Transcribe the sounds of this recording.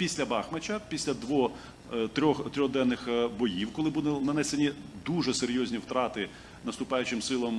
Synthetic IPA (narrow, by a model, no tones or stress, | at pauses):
pʲisʲlʲɐbɑxmɐt͡ʃʲɐpʲisʲlʲɐd̪ʋɔ | t̪ɾʲɔxt̪ɾʲɔɣd̪ɛnːɪxbɔjiwkɔlˠɪbud̪ɪnɐnɛsenʲid̪uʒɛseɾʲjɔzʲnʲiwt̪ɾɑt̪ɪ | nɐst̪ʊpɑjʊt͡ʃɪmsɪlˠɔm